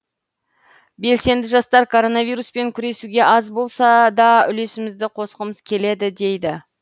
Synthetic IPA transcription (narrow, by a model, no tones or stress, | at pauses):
be̞lse̞nd̪ɪʒɑst̪ɑɾkʰo̞ɾo̞nɑvijɾuspe̞ŋkʲʰʏɾe̞suɡʲe̞ʔɑzbo̞lˠsɑd̪ɑʏle̞sɪmɪzd̪ɪqʰo̞səqəməz̥kʲʰe̞le̞d̪ɪd̪e̞jd̪ɪ